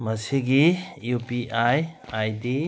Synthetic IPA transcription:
mɐsiɡijupiʔajajdi

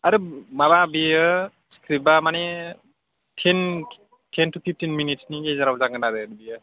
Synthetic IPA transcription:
aɾɯmababijə | skɾip̚bamane | tʰen | tʰentupʰip̚ʰtinminitsniɡezaɾabzaɡɯnaɾɯaɾbijə

